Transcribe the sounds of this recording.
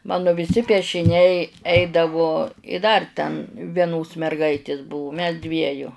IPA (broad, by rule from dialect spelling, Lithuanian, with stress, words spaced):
ˈmɑːnʊ ʋʲɪˈsʲɪ pʲiɛʃʲɪˈnʲɛɪ ˈɛɪdɐʋoː ɪ dɐr tʲɛn ʋʲiɛˈnoːs mʲɛrˈɡɐɪtʲeːs ˈbʊʋʊ mʲɛs ˈdʲʋʲiɛjʊ